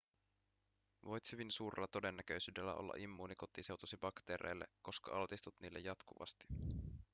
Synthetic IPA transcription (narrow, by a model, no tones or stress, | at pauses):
ʋo̞jt̪hyʋinsuːrlːɑt̪o̞de̞nːæk̟ø̞jsyːdelːæ̰ʔo̞̰lːɑ̰ʔimːuːniko̞t̪ise̞wt̪usibɑkt̪e̞ːɾʔejlːe̞̰kːo̞skɑɑlt̪ist̪ut̪niːlːejɑt̪kuʋɑ̰st̪i̥